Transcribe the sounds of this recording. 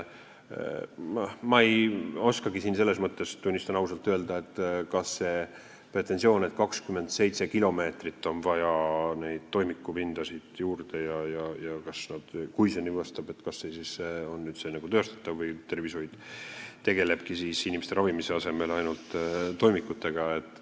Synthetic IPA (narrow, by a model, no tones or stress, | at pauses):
mɑejo̞skɑɡisiːnse̞lːe̞s̬mɤt̪ˑːe̞st̪unʲːist̪ɑnɑwsɑlt̪ːˑøe̞ld̪ɑe̞t̪ːkɑsːe̞ | pre̞t̪ːˑe̞nsio̞ːne̞t̪̚kɑkskyme̞nd̪se̞jt̪se̞kilo̞me̞ːt̪rit̪ːo̞nvɑjɑne̞jd̪̥t̪ːo̞jmikːˑupind̪̥ɑsid̪juːrd̪̥e̞jɑjɑjɑkɑsnɑd̪̥kujsenivɑst̪ɑbe̞t̪kɑsːesiseo̞nːyːd̪senɑɡ̥ut̪øːst̪ɑ̥t̪ˑːɑvːɤjt̪e̞rvisojd̪̥t̪e̞ɡ̥e̞le̞b̥kisiːsinʲimest̪e̞ɾɑvimise̞ɑse̞me̞lɑjnult̪t̪ːo̞jmikˑːut̪ːe̞ɡ̥ɑe̞t̪ːˑ